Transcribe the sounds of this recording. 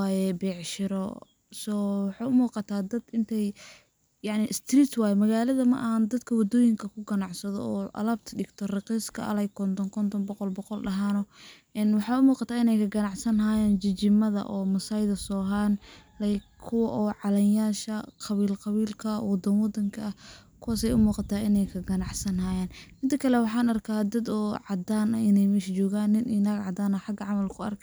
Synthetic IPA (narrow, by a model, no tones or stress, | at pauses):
jɛbɛːʕʃɪɾɔ | sɔːwɑħɑːʊmuːqɑt̪ʰaːd̪ɐd̪ɪnt̪ʰɛj | jɑʕnɪʔɪst̪riːt̪waːjɛmɐɣaːlɐðɐmɐ̰ʔɐɦand̪ɐd̪kʰɐwɑd̪ɔːjɪŋkʰɐkʰʊɡɐnɑʕsɐðɔ̰ɔːʔɐ̰lɐbt̪ʰɖɪɡt̪ʰɔrɪqiːskʰɐ̰ɐ̰lɛjkʰɔnt̪ʰɔnkʰɔnt̪ʰɔnbɔqɔlbɔqɔlɖɐɦaːnɔʔɛnwɑħɑːʊmuːqɑt̪ʰaːɪnɛjkʰɐɡɐnɑʕsɐnɦaːjɛːnt͡ʃɪt͡ʃɪmɐðɐ̰ʔɔːmɐsajðɐsɔːɦaːnlɛjkʰʊwɐʔɔːʕɑlɛjaːʃɐqɑβiːlqɑβiːlkʰɐwɑd̪ɐnwɑd̪ɐŋkʰɐɐkʰʊwaːs̬ɛjʊmuːqɑt̪ʰaːʔɪnɛjkʰɐɡɐnɑʕsɐnhaːjaːnmɪd̪ɐkʰɐlɛwɑħɑːnɐrkʰaːd̪ɐd̪ɔːʕɑd̪aːnɐɪnɛjmɛʃt͡ʃɔːɣaːnːɪnʔɪnaɡʕɑd̪aːnɐħɑɡɐʕɑmɐlkʰʊɐ̰rkʰɐ